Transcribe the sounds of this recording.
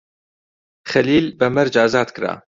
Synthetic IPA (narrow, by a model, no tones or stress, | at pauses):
xɐliːlbɐmɐɾd͡ʒaːzaːd̪kɨɾa̰ː